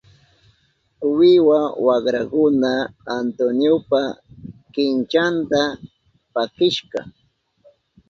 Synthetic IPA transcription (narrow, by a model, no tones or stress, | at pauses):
wɪwawakɾakʊnaːnt̪onjopakɪnt͡ʃant̪a | pakɪʃɢɑ̰